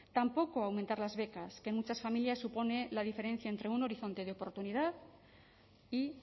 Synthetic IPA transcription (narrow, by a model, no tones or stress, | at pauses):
t̪ampo̞ko̞awmẽ̞nt̪aɾlazβe̞kaskenmut͡ʃasfamiljasːupo̞ne̞laðife̞ɾe̞n̟θjaent̪ɾe̞uno̞ɾiθo̞nt̪e̞ðeo̞po̞ɾt̪uniðað | i